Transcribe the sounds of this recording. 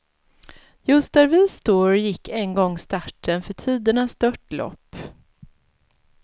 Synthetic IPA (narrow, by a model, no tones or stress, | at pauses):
jɵst̪̚d̪æɾvɪst̪oːɾjɪkːɛnɡɔŋːst̪aʈʰːənfœʈʰiːd̪əɳasd̪œʈlɔ̰pː